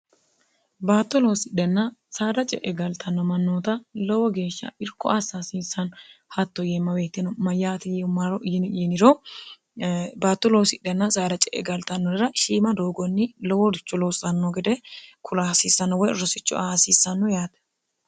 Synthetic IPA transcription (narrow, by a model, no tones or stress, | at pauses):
baːt̪ːɔlosɪɗɛnːɐsaːd̪ɐt͡ʃʼɛ̰ʔɛɡɐlt̪ʰɐnːɔmɐnːoːt̪ɐlɔwɔɡe̞ːʃːɐ̰ɪɾkːɔʔasaːsiːsːɐnhɐt̪ːɔjemːɐbeːt̪ːɪnɔmɐjːaːt̪ɪjɛʊmːaɾɔʔjɪnɪɛnɪɾɔ | baːt̪ːɔloːsɪɗːɛnːɐsaːd̪ɐt͡ʃʼɛʔɛ̰ɡɐlt̪ɐnːɔd̪ɪɾɐʃiːmɐd̪oːɡɔnːɪlɔwɔdɪt͡ʃːɔloːsɐnːɔɡɛd̪ɛkʰʊlasiːsːɐnːɔwɔjɾɔsɪt͡ʃːɔ̰aːsiːsːɐnːʊjaːt̪ɛ̥